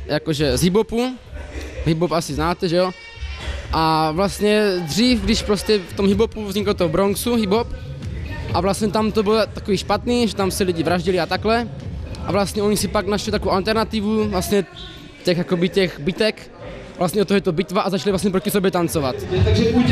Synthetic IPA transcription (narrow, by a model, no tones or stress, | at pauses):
jakoʒɛzɦibopu | ɦibopasɪznaːt̪ɛʒɛo | ʔavlast̪ɲɛd̪r̝iːfɡdɪʃpɾoscɛft̪omɦibopuvzɲikalt̪oɦobɾonsuɦibop | ʔavlast̪ɲɛt̪amt̪obɪlt̪akoviːʃpat̪niːʒɛt̪amsɛliɟivɾaʒɟiliat̪aklɛʔa̰vlast̪ɲɛʔoɲisipaɡnaʃlit̪akoowalt̪ɛɾnat̪ivuvlast̪ɲɛ | c̪ɛxjakobicɛxbɪt̪ɛk | vlast̪ɲɛot̪oɦɛt̪obɪt̪vaʔazat͡ʃalivlastɲɛpɾocisobjɛt̪ant͡sovat̪aɡʒɛpu